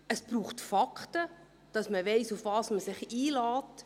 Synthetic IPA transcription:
əsb̥ɾuːχtfɑkχtə | d̥ɑsməvɛɪsufvɑːsməsɪχiːlɑːt

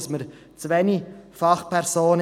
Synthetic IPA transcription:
sməɾ | t͡svɛnifɑχpʰɛɾsoːn

